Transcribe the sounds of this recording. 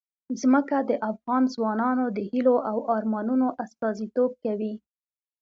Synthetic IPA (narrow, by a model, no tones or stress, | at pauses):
zməkad̪əʔafɣɑnzwɑnɑnod̪əhiloʔawʔɑɾmɑnunoʔast̪ɑzit̪ob̚kawi